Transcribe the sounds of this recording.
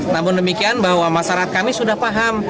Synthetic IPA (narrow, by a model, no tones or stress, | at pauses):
namʊndəmikianbaɦwamaʃaɾaɦat̪̚kamisudahpaɦam